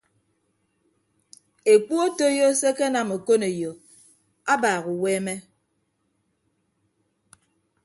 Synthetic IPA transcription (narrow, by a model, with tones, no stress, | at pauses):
e˨k͡pu˦o˦to˦jo˦se˦ke˦na˨mo˨ko˦ne˨jo˨ | a˦baː˨ɣu˨weː˦me˦